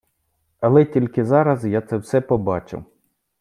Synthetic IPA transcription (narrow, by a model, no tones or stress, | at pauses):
ɐlˠɛtʲilʲkɪzɑɾɐzjat̪sɛwsɛpɔbɑt͡ʃɪ̰w